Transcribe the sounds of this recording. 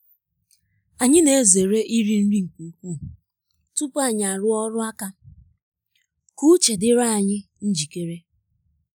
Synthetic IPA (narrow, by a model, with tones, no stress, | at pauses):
a˨ɲɪ˦ne˨˦˨ze˨ɾe˦ʔi˦ɾi˦n̩˦ɾi˦ŋ̩˨ku˨u˦kʷu˦˨ | tu˦pʊ˦a˨ɲɪ˨a˨ɾʊ˦ɔ˦ɾʊ˦a˦ka˦ | ku˦t͡ʃe˨dɪ˦ɾa˦a˨ɲɪ˦ | n̩˦d͡ʒi˨ke˦ɾe˦